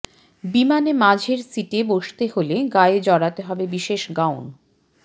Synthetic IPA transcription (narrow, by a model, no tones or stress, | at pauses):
bimanemad͡ʑʱeɾsiʈeboʃt̪eholeɡaed͡ʑɔɽat̪eɦɔbebiʃeʃɡawn